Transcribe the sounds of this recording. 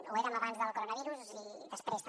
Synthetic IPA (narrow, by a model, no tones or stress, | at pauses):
ueɾəməβanzðəlˠkoɾonəβ̞iɾuziðəspɾes